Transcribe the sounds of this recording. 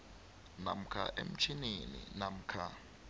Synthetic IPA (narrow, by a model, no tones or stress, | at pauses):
nam̩kʰa̰ʔem̩t͡ʃʰininḭnam̩kʰa